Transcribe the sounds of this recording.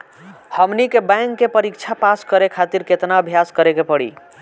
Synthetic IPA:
həmnikebajŋkːepəɾikt͡ʃʰapaskəɾekʰat̪iɾket̪naəbʱjaskəɾekepəɽḭ

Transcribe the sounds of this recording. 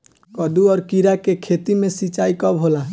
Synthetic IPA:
kɔd̪uɔɾkiɾakekʰet̪imesit͡ʃajkɔbʱɦola

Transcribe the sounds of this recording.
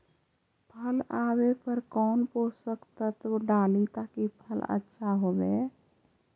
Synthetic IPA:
pʰəlabepəɾkɔːnposəkt̪ət̪ʋɖalit̪akipʰələ̰tːʃʰaɦobe

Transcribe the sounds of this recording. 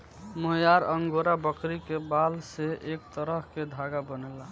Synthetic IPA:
moɦjaɾəŋɡoɾabəkɾikebalseʔek̚t̪əɾəɦked̪ʱaɡabənɛla

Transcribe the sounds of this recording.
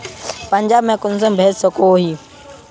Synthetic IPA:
pɐ̃ɲd͡ʑaːbmẽkʊnsə̃mbʱeːssɐkʰoɦiː

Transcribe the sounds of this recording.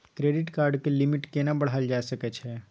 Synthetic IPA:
kɾeːɖɪʈkaːɾɖkelɪmɪʈkenabɐɽ̤aːld͡ʒaːsɐkɛt͡ʃʰɛː

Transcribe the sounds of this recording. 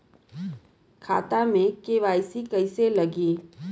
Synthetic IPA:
kʰa̰ːt̪amẽkeːʋaːjsikɐɪselɐɡiː

